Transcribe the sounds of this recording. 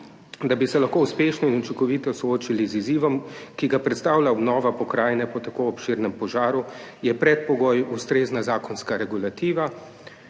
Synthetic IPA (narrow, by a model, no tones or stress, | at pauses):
d̪abisɛlaxkoːuspeʃnɔinut͡ʃiŋkɔʋiːt̪ɔsɔoːt͡ʃiliziziːʋɔmkiɡapɾɛt̪st̪aːwlʲaɔbnɔːʋapɔkɾaːjnɛpɔt̪akoɔpʃiːɾnɛmpɔʒaːɾujɛpɾɛt̪̚pɔɡoːjust̪ɾeːznazaːkɔnskaɾɛɡulat̪iːʋa